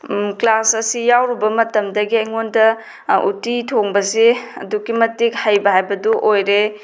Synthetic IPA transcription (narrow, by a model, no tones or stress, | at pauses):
klasɐsijawɾibɐmɐtɐmdɐɡiɐjŋondɐ | ṵtitʰoŋbɐseɐ̰dukimɐtik̚hajbɐɦajbɐduʔojɾe